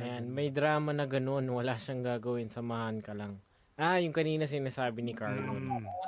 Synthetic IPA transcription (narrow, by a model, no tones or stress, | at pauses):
ɐjanmɐjd̪ɾaːmɐnɐɡɐno̞nwɐlaːʃɐŋɡaːɡɐwɪnsɐmaːhɐnkɐlɐŋ | ʔajʊŋkɐniːnɐs̬ɪnaːsaːbɪnɪkaɹlon